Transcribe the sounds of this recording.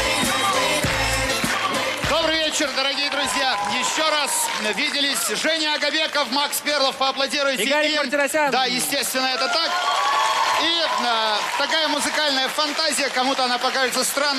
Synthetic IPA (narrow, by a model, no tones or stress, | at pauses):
d̪o̞bɾɨvʲet͡ɕɪrd̪əɾɐɡʲijəd̪ɾʊzʲjajɪɕːoɾasvʲidʲɪlʲɪsʲʐɛnʲɪɐɡɐbʲe̞kəfmaksbʲerlˠəfpəɐplˠɐdʲiɾʊjɪtɪmʲad̪ajɪsʲtʲest̪vʲɪnːəɛt̪ət̪ak | i | t̪ɐkajəmʊzɨkalʲnəjəfɐnt̪azʲɪjəkɐmut̪əɐnapɐkaʐɨt̪səst̪ɾanː